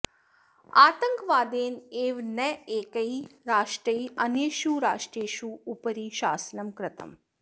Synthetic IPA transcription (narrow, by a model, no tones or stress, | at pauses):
aːt̪əŋkʋaːd̪eːneːʋnɛeːkəiɾaːʂʈɾəiɐnjeʃuɾa̰ːʂʈɾeːʃuupəɾiːʃaːsnɐmkɾɪt̪ʰə̰m